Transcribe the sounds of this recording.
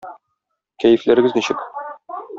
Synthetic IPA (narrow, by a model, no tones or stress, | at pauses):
kæjɘ̆flæɾɘ̆ɡɘzniɕɘk